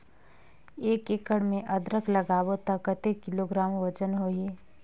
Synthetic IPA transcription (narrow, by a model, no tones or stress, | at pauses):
eːkeːkəɽmẽʔəd̪ɾəkʰləɡaːwot̪əkət̪ekɪloɡɾaːmʋət͡ʃənɦoːeː